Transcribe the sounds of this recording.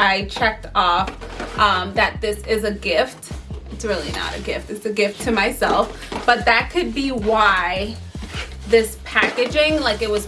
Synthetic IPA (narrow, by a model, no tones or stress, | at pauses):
aɪt͡ʃʰɛk̚tʰɔfʔʌ̃mðɨt̪̚ðɪsɪzɨɡɪftɨtsɹɪlˠḭnə̰ɾɨ̰ɡɪftɨtsɨɡɪftʰɨmaɪsɛlˠf | b̥ʌt̪̚ðɨt̚kʰɨd̚biwaɪ | ðɪspʰækɨd͡ʒɪ̃ŋlaɪkɨt̚wʌz̥